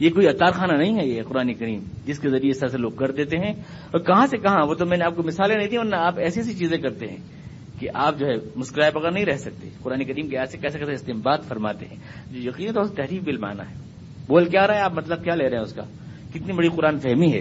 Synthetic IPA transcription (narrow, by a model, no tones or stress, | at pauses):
jekoːiɐt̪ːaːɾxaːnanɐɦĩɦɛjeqʊɾaːnekɐɾiːmd͡ʒɪskezɐɾieɪsəɾseloːɡ̚kɐɾd̪eːt̪eɦɛ̃ | ɔːɾkɐɦãsekɐɦãʋot̪omɛ̃ːneaːp̚komɪsaːlẽnɐɦĩd̪ĩʋɐɾnaaːpɛːsiɛsit͡ʃiːzẽkɐɾt̪eɦɛ̰̃ | keʔaːp̚d͡ʒoːɦɛmʊskɾaːebɐɣəɾnɐɦĩɾɛɦsɐk̚t̪ḛqʊɾaːnekɐɾiːmkeɛːsekɛːsekɛseɪst̪eːmbaːt̪fɐɾma̰ːt̪eɦɛ̃ | d͡ʒoːjɐqiːnɦɛt̪oʊset̪ɛɦɾiːfbɪlma̰ːna̰ɦɛː | boːlkjaːɾaɦɛaːpmɐt̪ləb̚kjaːleːɾɐɦɛ̃ʊska̰ː | kɪt̪nibɐɽiqʊɾaːnfɛɦmiɦɛ̰ː